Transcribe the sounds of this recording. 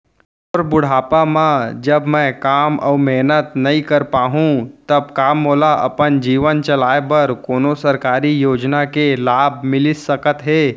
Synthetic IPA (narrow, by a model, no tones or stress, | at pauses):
ɔːɾbʊɽ̤aːpamãd͡ʒɐbmɛ̃kaːmɔ̰ːmɛːnət̪nɐĩkɐɾpaːɦũt̪ɐb̚kaːmːoːlaʔɐ̰pənd͡ʒiːʋənt͡ʃɐlaːebɐɾkoːnosɐɾkaːɾijoːd͡ʒnakelaːbmɪlɪsəkət̪ɦeː